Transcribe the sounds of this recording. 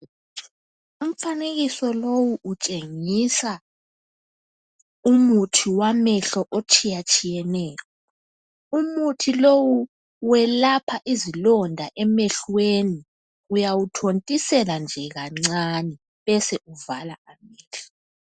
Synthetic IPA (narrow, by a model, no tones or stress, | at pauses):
um̩faneɣisɔlowuut͡ʃʼeŋisa | umutʰiwamɛɬɔʔot͡ʃʰʼijat͡ʃʼijɛnɛːkɔ | umutʰilowu | wɛlapʰaʔizilɔndʱaʔɛmɛɬweni | ujawutʰontʼisɛland͡ʒʱɛɣaŋ͡ǀanɛ | βɛsɛʔuvalaamɛːɬɔ̥